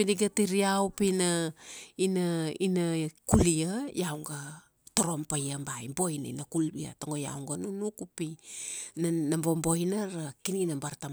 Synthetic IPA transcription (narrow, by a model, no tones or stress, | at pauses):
piniɡatiɾiawpinainainakuliajawŋɡa | toɾo̞mpajambajmbojna̰nakulbia̰toŋɡoja̰wŋɡanunukupinnambombo̞jnaɾakininambaɾtam